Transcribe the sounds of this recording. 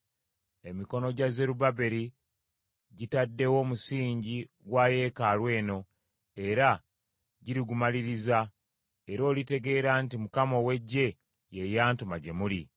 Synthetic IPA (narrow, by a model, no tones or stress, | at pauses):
e̞miko̞no̞ɟaze̞ɾubabe̞ɾi | ɟitadːe̞wo̞ːmusiːɲɟi | ɡwaːje̞ːkalwe̞ːno̞ | e̞ɾa | ɟiɾiɡumaliɾiza | e̞ɾo̞ːlite̞ɡe̞ːɾaːntimukamo̞we̞ɟːe̞ | je̞jaːntumaɟe̞muli